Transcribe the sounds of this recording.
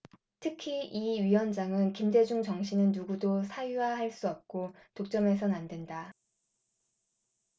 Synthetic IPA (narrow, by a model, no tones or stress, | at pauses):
tʰɯkʰiiɥiwʌnd͡ʑaŋɯnkimde̞d͡ʑuŋt͡ɕʌŋɕʰinɯnːuɡudosʰajuwahaɭs͈uʌp̚k͈o | tok̚t͡ɕ͈ʌme̞s̬ʰʌnandwenda